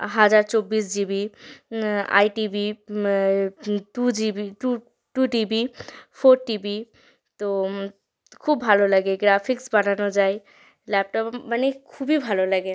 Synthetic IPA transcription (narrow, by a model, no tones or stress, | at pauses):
ɦad͡ʒaɾt͡ʃobisd͡ʒibi | a̰jʈibi | ʈud͡ʒibiʈu | ʈuʈibipʰoɾʈibi | t̪o | kʰubʱaloləɡeɡɾapʰiksbananɔd͡ʒaj | lɛp̚ʈɔpbənikʰubibʱaloləɡe